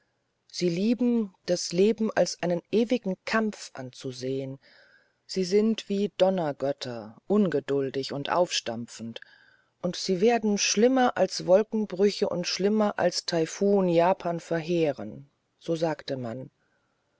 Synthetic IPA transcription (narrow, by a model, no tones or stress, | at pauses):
z̥iːliːbm̩d̥asleːbm̩ʔa̰lsʔaɪnənʔeːvɪɡŋ̩kʰamfʔa̰nt͡suzeːən | z̥iːzɪntv̥iːdɔnɐɡœtʰɐʔʊnɡədʊldɪçʊntʔa̰ʊfʃtamfn̩t | ʔʊntz̥iːveːɐdn̩ʃlɪmɐʔalsv̥ɔlkŋ̩bʁʏçəʔʊ̰ntʃlɪmɐʔa̰lstʰaɪfuːnjaːpʰaːnfɛɐɦeːʁ̞ə̰n | z̥oːzaːktəman